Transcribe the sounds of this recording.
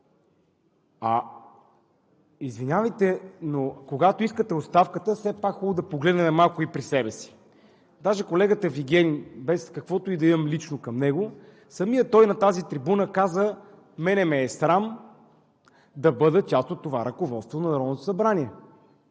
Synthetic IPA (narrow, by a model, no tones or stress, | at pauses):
ɐ | izvinʲavəjt̪ɛnokoɡat̪oiskət̪ɛot̪st̪afkət̪əfsɛpakxɔlˠʊd̪ɐpoɡlɛd̪nɛmɛmalˠkʊipɾisɛbɛsi̥ | d̪aʒɛkolɛɡət̪əviɡ̟ʲɛnʲibɛskɐkvɔt̪oid̪ɐimɐmlit͡ʃnokɐmnɛɡo | sɐmijət̪ɔjnɐt̪azit̪ɾibunəkazə | mɛnɛmɛːsɾam | d̪ɐbɤd̪ət͡ʃast̪ot̪ːovaɾɐkovɔt̪st̪vonɐnɐɾɔd̪not̪o̥sɐbɾanʲiɛ